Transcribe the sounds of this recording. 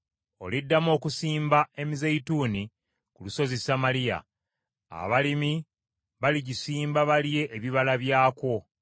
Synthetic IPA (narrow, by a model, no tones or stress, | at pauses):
o̞̰lidːamo̞ːkusiːmbae̞mizeituːni | kuluso̞zesamalija̰ | a̰βalimi | βaliɟisiːmbaβalije̞ʔːβiβalaβjaːko̞